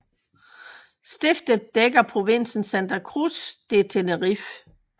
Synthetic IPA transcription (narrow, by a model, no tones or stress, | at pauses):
sd̥e̝fd̥̩ˠd̥eɡ̥ɐpʰʁo̝ʋe̝n̰sn̩sænd̥ɐkʰʁusd̥e̝t͡sʰenəʁif